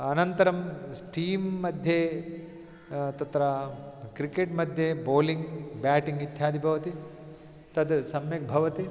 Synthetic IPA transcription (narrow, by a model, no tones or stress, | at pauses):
ɐnɐnt̪ɐɾɐmsʈiːmːɐd̪ʱje | t̪ɐt̪ɾɐkɾikeʈmɐd̪ʱjeboːliŋɡbaːʈiŋɡit̪ʰjaːd̪ʱibʱɐʋɐt̪i | t̪ɐd̪sɐmjɐk̚bʱɐʋɐt̪i